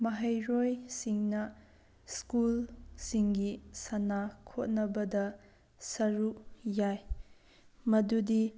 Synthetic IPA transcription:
mɐɦɐjɾojsiŋnɐ | skulsiŋɡisɐnakʰot̚nɐbɐdɐ | sɐɾujaj | mɐdudi

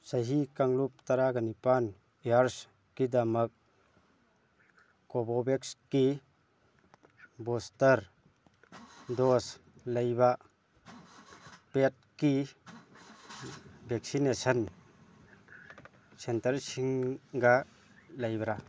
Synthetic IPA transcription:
sajɦikaŋlup̚t̪aɾaɡanipan | eaɾs | kidamək̚ | ɔbɔbekski | bɔstəɾ | dɔslɐjba | pet̚ki | bʱek̚sinesən | sentəɾsiŋɡa | lajbɐɾa

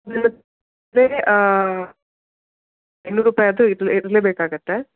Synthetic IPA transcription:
d̪inːɐt̪ | ɾeː | enːuːɾuːpaːjɐd̪uiɾliɾɐleːbeːkaːɡɐt̪ːe

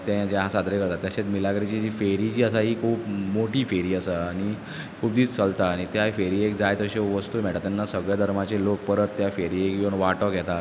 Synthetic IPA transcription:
t̪ãd͡ʑeɦãsad̪ʱɾekəɾt̪at̪jaɕet̪milaɡɾit͡ɕiːd͡ʑifeɾit͡ɕiːəsaɦiːkʰuːpmoʈiːfeɾiːəsəaɽ̃i | kʰuːp̚d̪iːt͡st͡səlt̪aːɽ̃it̪jafeɾiek̚d͡zajt̪əɕeʋəst̪uːm̤ɛɭʈ̪tat̪janːasəɡɭjad̪ʱəɾmat͡ɕelok̚pəɾət̪ːjafeɾiekd͡ʑoɳʋaʈɔkɛt̪a

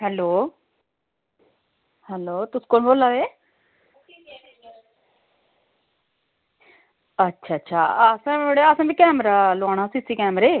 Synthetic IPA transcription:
ɦɛːloː | hɛːloːt̪ʊsĩ̥ːkoːnboːlaːʋeː | ətːʃʰaːətːʃʰa̰ːəsãeɽeəsãːbiːkɛːmɾaːlaːɽ̃ãːsiːsiːkɛːmɾeː

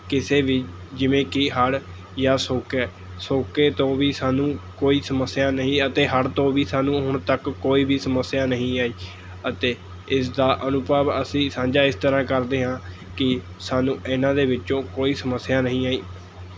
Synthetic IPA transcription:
kɪseːʋiː | d͡ʒɪʋẽːkɪɦəɽ | jaːsoːkɛː | soːkeːt̪õːʋiːsaːnũːkoːiːsəməsːɪjaːnəɦĩːət̪eːɦəɽt̪õːʋiːsaːnũːɦʊɳt̪əkːoːiːbiːsəməsɪjaːnəɦĩːaːiː | ət̪eː | ɪsd̪aːʔənʊpaːbəsĩːsãːɲd͡ʒaːɪst̪əɾãːkəɾd̪eːɦãː | kɪ | saːnũːɪnãːd̪eːʋɪt͡ʃːõːkoːiːsəməsːɪjaːnəɦĩːaːiː

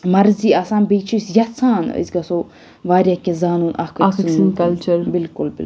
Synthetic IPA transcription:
mɐɾziɐsaːnbeːt͡ʃʰisjɐt͡sʰãːnə̰zʲɡɐso | ʋaːɾʲakezaːnuːnʔakəskɐlt͡ʃɐɾbɪlkʊlbḭl

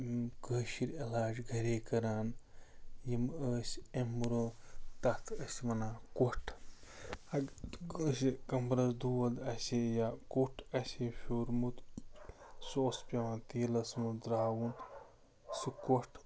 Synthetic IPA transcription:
kəːʃiɾilaːd͡ʒɡʱɐɾeːkɐɾaːn | jiməːsʲemɾoːt̪ɐt̪ʰɐsʲmɐnaːkuʈʰ | ɐɡəːsikɐmpɾɐsd̪uɐd̪ɐsijakuʈʰɐsʲifʲuɾmut̪ | soːspʲɐʋãːnt̪iːlɐsmud̪ɾaːwun | sikoʈʰ

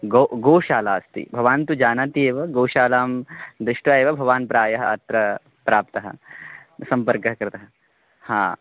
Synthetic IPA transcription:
ɡoɡoːʃaːlaːst̪ḭbʱɐʋaːnt̪ud͡ʒaːnant̪ieːʋɐɡoːʃaːlaːmd̪ɾɪʂʈʋɐeːʋɐbʱɐʋaːnpɾaːjɐɦɐɐ̰t̪ɾɐ | pɾaːp̚t̪ɐɦɐ̰̆sɐmpɐɾkɐɦɐkɾɪt̪ɐɦɐ | ha̰ː

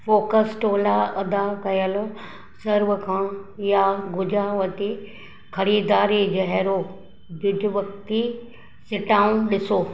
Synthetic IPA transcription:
foːkəsʈoːlaɐd̪akɐjəlʊ̆ | sɐɾʋəkʰãːjaɡʊd͡ʑaʋɐt̪i | xʰɐɾiːd̪aːɾid͡ʑɐɦɛɾo | bʊd͡ʒʱʊʋɐkt̪i | sɪʈaːũnɗɪsoː

